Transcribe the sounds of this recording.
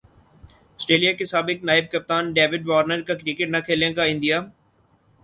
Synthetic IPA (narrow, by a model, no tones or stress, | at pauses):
ɐsʈɾeːlijakɪsaːbɪknaːɪb̚kɐp̚t̪aːnɖeːʋɪɖʋaːɾnəɾkakɾiːkeʈnɐkʰeːljãkaɪ̃nd̪ijaː